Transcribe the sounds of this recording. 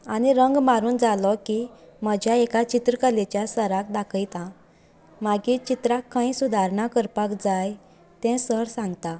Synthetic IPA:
aniɾəŋɡmaɾuːnd͡zalɔkiməd͡ʑʱjaekat͡ɕit̪ɾəkəlet͡ɕjasəɾakd̪akʰəjt̪ã | maɡit͡ɕit̪ɾakːãĩsud̪ʱaɾɳakəɾpakd͡zaj | t̪ɛ̃səɦɾsãŋɡt̪a

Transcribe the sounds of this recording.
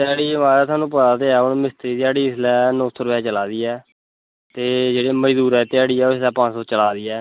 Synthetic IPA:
t̪ɪaːɽiːəmaːɾɛːt̪ʰʊaːnũːp̬ət̪aːt̪eːɛːʊnmɪst̪əɾiːt̪ɪaːɽiːɪslɛːnɔ̃ːsʰoːɾəpɛːt͡ʃəlaːd̪iːɛː | tt̪eːd͡ʒeːɽeːməd͡ʒd̪uːɾɛːt̪ɪaːɽiːɛːoɪslɛːpãsoːt͡ʃəlaːd̪iːɛː

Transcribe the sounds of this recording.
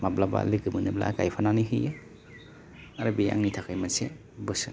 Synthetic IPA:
mablaba̰liɡɯmɯnɯbla̰kajpʰananiɦɯjɯ | aɾɯbija̰ŋnitʰakʰajmase | bɯsɯ

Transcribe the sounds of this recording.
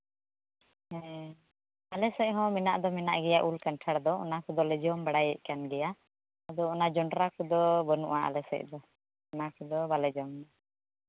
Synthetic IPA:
hɛ | alɛsɛc̚ˀɦɔ̃mɛnaʔd̪ɔmɛnaʔɡɛjaʔulkanʈʰaɽd̪ɔɔ̰nakud̪ɔlɛd͡ʒɔmbaɽajɛ̰ʔ̚kanɡɛja | ad̪ɔɔnad͡ʒɔɳɖɾakud̪ɔbɔnṵʔaa̰lɛsɛ̰c̚d̪ɔ | ɔnakud̪ɔbalɛd͡ʒɔmd̪ɔ

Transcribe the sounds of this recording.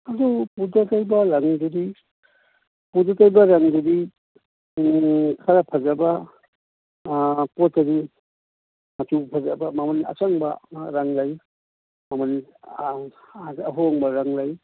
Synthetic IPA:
ɐdupudatajbaɾaŋdudi | pudatajbaɾaŋdudi | ukʰaɾapʰazaba | potɐdi | mɐtupʰazabamamana̰t͡ʃaŋbaɾaŋlaj | maman | aɦɔŋbɐɾaŋlaj

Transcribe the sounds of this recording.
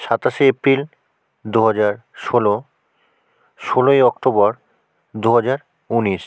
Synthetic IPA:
ʃat̪aʃeepɾil | d̪uɦad͡ʑaɾ | ʃolo | ʃolojɔkʈobɔɾ | d̪uɦad͡ʑaɾ | uniʃ

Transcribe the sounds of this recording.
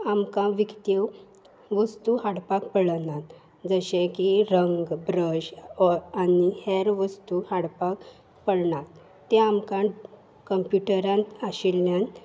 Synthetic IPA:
amkãʋikt̪ew | ʋəst̪uhaɽpakpəɭnat̪ | d͡zəɕẽkiɾəŋɡbɾəd͡ʑaniheɾʋəst̪uhaɽpak | pəɽɳat̪ | t̪ːẽamkã | kəmpjuʈəɾãnt̪aɕilːjãn

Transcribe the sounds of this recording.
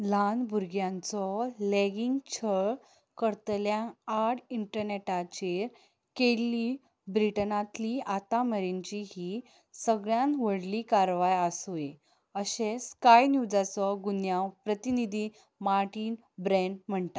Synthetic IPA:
lanbʱuɾɡjãnt͡sɔleɡiŋɡt͡ɕʰəɭ | kəɾt̪ljãaɽiɳʈəɾneʈat͡ɕeɾ | keli | bɾiʈənat̪liat̪aməɾiɲt͡ɕiɦiː | səɡɭjãnʋəɽlikaɾʋajasoje | əɕẽskajnjud͡zat͡sɔɡunjawpɾət̪inid̪ʱiː | maɾʈiːn | bɾɛɳɖm̤əɳt̪a

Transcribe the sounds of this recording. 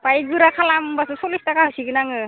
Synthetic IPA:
pajɡɯɾakʰalambasɯsolistakasiɡɯnaŋɯ

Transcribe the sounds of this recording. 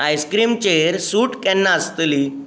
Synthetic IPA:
ajskɾiːmt͡ɕeɾsuːʈkɛnːaəst̪li

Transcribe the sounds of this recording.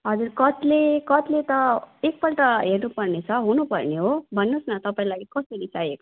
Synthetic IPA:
ɦʌd͡zurkʌt̪lekʌt̪let̪ʌek̚pʌlʈʌɦernupʌrnet͡sʰʌɦunupʌrneɦobʱʌnːosnʌt̪ʌpaĩlaɡikʌsʌɾisajek

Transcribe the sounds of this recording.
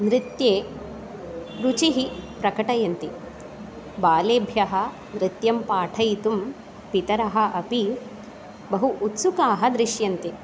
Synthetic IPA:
nɾɪt̪jeː | ɾut͡ʃiɦipɾɐkɐʈɐjɐnt̪i | baːleːbʱjɐɦɐ̆ | nɾɪt̪jɐmpaːʈʰɐjt̪um | pit̪ɐɾɐɦɐ̆ʔɐpi | bɐɦuʔːt̪sukaːɦɐd̪ɾɪʃjɐnt̪i

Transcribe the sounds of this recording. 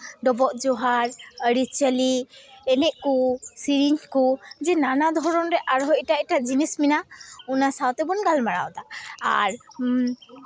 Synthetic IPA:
ɖɔbɔʔd͡ʒɔɦaɾəɽit͡ʃəliɛnɛʔkusiɾiɲkud͡ʒɛnanad̪ʱɔɾɔnɾɛʔaɾɦɔʔʈaiʈaʔd͡ʒinisminaunasawt̪ɛbɔnɡalmaɽa̰wd̪a̰ːɾ

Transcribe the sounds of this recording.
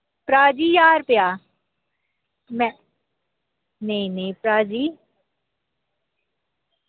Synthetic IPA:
pɾaːd͡ʒiːjaːɾpɪjaː | mɛ̃ | neĩneipɾaːd͡ʒiː

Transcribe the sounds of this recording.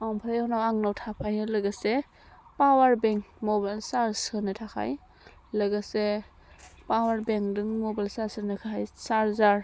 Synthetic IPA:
ampʰaɾajɔnawaŋnawtʰapʰajnɯlɯɡase | pawaɾbeŋkmɔbalsaɾsɯnɯtʰakʰa̰j | lɯɡase | pawaɾbeŋdɯŋmɔbajlsaɾsɯnɯkʰaajsaɾzaɾ

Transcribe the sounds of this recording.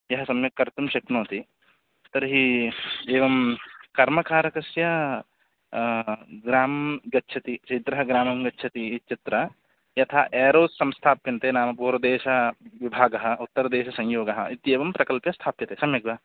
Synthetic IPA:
jɐɦɐsɐmjɐkːɐɾt̪umʃɐknoːt̪i | t̪ɐɾɦieːʋɐmkɐɾmɐkaːɾɐkɐsjɐ | ɡɾaːmɡɐtːʃʰɐt̪it͡ʃeːd̪ɾɐɦɐɡɾaːmɐmɡɐtːʃʰɐt̪iit͡ʃit̪ɾɐ | jɐt̪ʰaːʔɛːɾoːssɐ̃mst̪ʰaːpjɐnt̪enaːmɐpuːɾɐd̪eːʃɐʋibʱaːɡɐɦɐ̆ut̪ːɐɾɐd̪eːʃɐsɐ̃ŋ̃joːɡɐɦɐʔit̪jeːʋɐmpɾɐkɐlpjɐst̪ʰaːpjɐt̪esɐmjɐɡʋɐɦ

